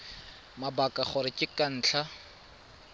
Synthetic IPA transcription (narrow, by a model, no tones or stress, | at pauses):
mabakʼaχʊɾɪkʼɪkʼan̩ːt͡ɬʰa